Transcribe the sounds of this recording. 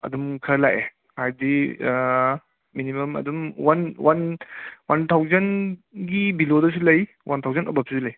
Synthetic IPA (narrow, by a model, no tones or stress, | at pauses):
ɐ̰dumkʰɐlajʔe | hajdi | minimɐmɐ̰dumwananwant̪ʰawzɐnɡibilodɐs̬uilɐj | want̪ʰawzɐnɐ̰bɐp̚susilɐj